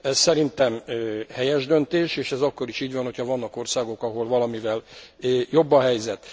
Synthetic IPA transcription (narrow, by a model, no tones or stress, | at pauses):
ɛssɛɾint̪ɛmhɛjɛʒd̪ø̞nt̪eːʃeːʃɛzɒkːo̞ɾiʃiːɟvɒnhocʰhɒvɒnːɒko̞rsaːɡo̞kɒɦo̞lvɒlɒmivɛlːjo̞bːɒɦɛjzɛt̪